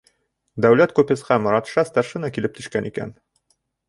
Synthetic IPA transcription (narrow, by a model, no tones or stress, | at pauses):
d̪æwlæt̪kupɘ̆sqɑmŏɾɑt̪ʃɑst̪ɑɾʃɤnɑkilɘp̚t̪ɵ̆ʃkænʔikæ̰n